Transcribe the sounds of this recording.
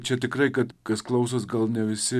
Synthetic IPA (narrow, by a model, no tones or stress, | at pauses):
t͡ʃʲɛt̪ʲɪkɾɐɪkɐt̪kɐsklˠɐʊs̬osɡɐlˠnʲɛʋʲɪsʲɪ